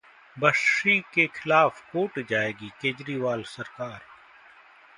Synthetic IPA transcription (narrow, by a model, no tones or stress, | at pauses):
bəʃikexʰɪlaːfkoːʈd͡ʒaːeːɡikeːd͡ʒɾiʋaːlsɐɾkaːɾ